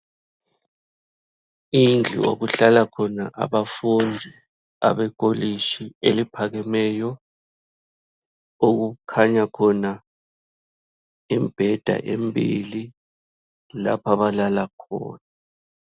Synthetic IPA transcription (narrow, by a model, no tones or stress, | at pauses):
ind͡ɮʱḭo̰ɣuɬalakʰɔnaʔa̰βafund͡zʱi | a̰βɛɡ̥ʱoliʃielipʰaɣɛmɛːjɔ | oɣukʰaɲakʰɔna | imb̥ʱɛd̥ʱa̰ʔembʱili | la̰pʰaβalalakʰɔ̰ːna